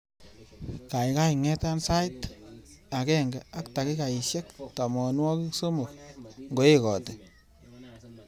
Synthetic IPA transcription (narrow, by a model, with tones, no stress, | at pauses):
ka˨jka˦jŋɛ˦ta˦nsa˦jt | a˨kɛ˦ŋɡɛ˨a˦kta˨ki˦ka˨i˨ʃe˦ktɔ˨mɔ˨nwɔ˦ki˦kso˦mo˨k̚ŋɡo˨˦e˦kɔ˨te˨